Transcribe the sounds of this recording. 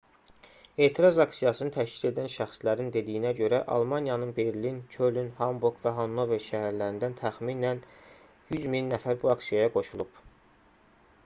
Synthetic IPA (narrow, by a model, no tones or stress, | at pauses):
e̞ːt̪ʰiɾɑzɑksijɑsɯnɯt̪ʰæʃcʰi̥d̪e̞d̪ænʃæxslæɾind̪e̞d̪ijinæɟø̞ɾæʔɑ̰lˠmɑnjɑnɯnbe̞ɾlincʰølynhɑmbuɾɡvæɦonːoveʃæɦæɾlæɾind̪ænt̪ʰæxminæn | jyzminːæfæɾbuɑksijɑjɑɡo̞ʃulˠub̥